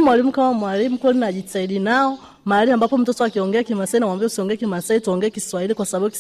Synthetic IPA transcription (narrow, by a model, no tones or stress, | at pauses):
mwalimukamamwalimukuɔlinaʄitaiɗinaɔ | maaliambapɔm̩tɔtɔakiɔŋɡɛakimasainawambiausiɔŋɡɛkimasaituɔŋɡɛɛkiswailikwasabaɓuk